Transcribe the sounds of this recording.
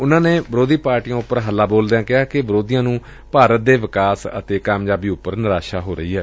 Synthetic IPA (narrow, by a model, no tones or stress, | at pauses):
ʊnãːneːbəɾoːd̪iːpaːɾʈiːãːʊpːəɾɦəlːaːboːld̪eãːkɪɦaːkɪʋəɾoːd̪iːjãːnũː | paːɾət̪̚d̪eːʋɪkaːsə̰t̪eːkaːmjaːbiːʊpːəɾnɪɾaːʃaːɦoːɾəiːɦɛː